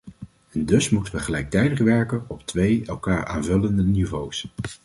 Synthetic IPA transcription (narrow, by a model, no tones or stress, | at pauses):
ɛndɵsmutənʋəχəlɛjk̚tɛjdəχʋɛɹkənɔptʋejɛlˠkaːɹa̰ːnvɵləndənivows